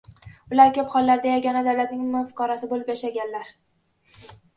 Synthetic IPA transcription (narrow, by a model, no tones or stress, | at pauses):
ʊlaɾkʰʲɵpχɒlˠːaɾd̪ajaɡʲɒnad̪awlat̪̚nɪŋmʊfɪ̥kɒɾasɪbolɪpjaʃaɡʲanlaɾ